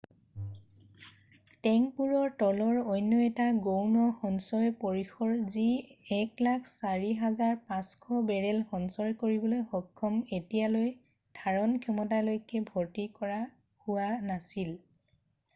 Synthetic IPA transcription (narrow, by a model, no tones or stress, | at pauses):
tɛŋpuɹɔɹtɔlɔɹɔjnːɔɛtaɡownɔxɔnsɔjpoɹixʰɔɹziɛklakʰsaɹiɦazaɹpãskʰɔbɛɹɛlxɔnsɔjkoɹibɔlojxɔkʰːɔmetijaloj | d̥ʱaɹɔnkʰɔmɔtalojkɛbʱotikɔɹa | huwanasil